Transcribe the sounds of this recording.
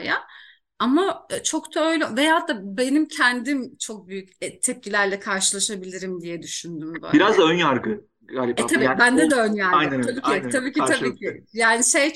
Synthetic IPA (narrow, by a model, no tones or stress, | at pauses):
ja | amat͡ʃʰo̞kt̪ʰaø̞jlʲɛvejaːɦat̪ʰːaːbe̞nimcʰɛnd̪imt͡ʃʰo̞k̚byjycɛt̪ʰɛp̚cʲʰilʲæɾlʲɛkʰaɾʃɯlˠaʃabilʲiɾimd̪ijɛd̪yʃynd̪ymbø̰biɾazd̪aønjaɾkɯ | ɡaːlʲiɛabibænd̪ɛd̪ɛønjaɾaj̪t̪abiːit̪abiːcʰiabiːcʰɪjaːniʃej